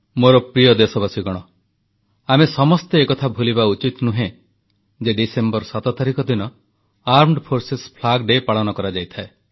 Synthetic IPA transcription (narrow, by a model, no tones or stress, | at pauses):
moɾɔpɾijɔd̪esɔbasiɡɔɽ̃ɔ | amesɔmɔst̪eːkɔt̪ʰabʱulibaut͡ʃit̪nuɦẽ | d͡ʒeɖisembɔɾsat̪ɔt̪aɾikɔd̪inɔ | aɾmɖpʰoɾsespʰlaɡɖepaɭɔnɔkɔɾad͡ʒajt̪ʰae